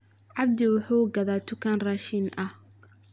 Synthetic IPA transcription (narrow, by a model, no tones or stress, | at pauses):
ʕɑb̚d̪ɪwʊħuːɡɐðaːt̪ʰʊkʰaːnraːʃinʔɐh